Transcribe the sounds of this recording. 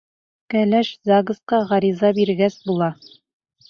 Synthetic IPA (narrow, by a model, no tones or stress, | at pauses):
kælæʃzaɡɤ̆sqɑʁɑɾizɑbiɾɡæsbulˠɑ